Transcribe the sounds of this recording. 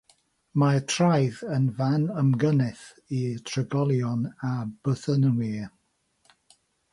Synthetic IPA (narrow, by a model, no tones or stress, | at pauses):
matʰrajðənvanəmɡənɛθ | itʰrəɡɔlˠjɔnab̥əθənənwiː